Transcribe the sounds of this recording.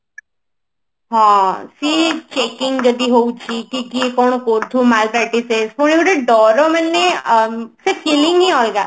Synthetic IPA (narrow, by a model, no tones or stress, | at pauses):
ɦãːsit͡ʃeːkɪ̃ŋɡd͡ʒɐd̪iɦoːut͡ʃʰikiːkikɔːɳ̃koːɾt̪ʰumaːlpɾɛːʈisesponiuɖeɖɔːɾomɛnːe | sekɪlɪ̃ŋɡiɔːlɡaː